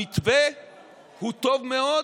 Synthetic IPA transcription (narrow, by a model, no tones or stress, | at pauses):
it̪ve | hut̪ovmeo